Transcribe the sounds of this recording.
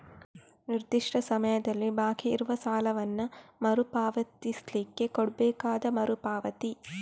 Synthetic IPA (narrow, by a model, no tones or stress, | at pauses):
niɾd̪iʂʈʰɐsɐmɐjɐd̪ɐlːibaːkiːɾuʋɐsaːlɐʋɐnːɐmɐɾupaːʋɐt̪islikːe̞koɽbɛːkaːd̪ɐmɐɾupaːʋɐt̪i